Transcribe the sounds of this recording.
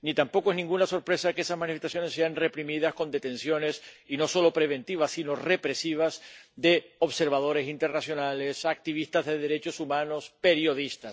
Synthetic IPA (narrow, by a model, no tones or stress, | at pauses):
nit̪ampo̞koe̞znĩŋɡunaso̞ɾpɾe̞sakeesazmãnifest̪asjo̞ne̞sːe̞anre̞pɾimiðasko̞nd̪e̞t̪e̞nsjo̞ne̞sino̞so̞lo̞pɾe̞β̞ẽ̞nt̪iβasːino̞re̞pɾe̞siβ̞azd̪e̞o̞βse̞ɾβað̞o̞ɾe̞sint̪e̞ɾnasjo̞nale̞sak̚t̪iβ̞ist̪azðe̞ðe̞ɾe̞t͡ʃo̞sumãno̞spe̞ɾjo̞ðist̪as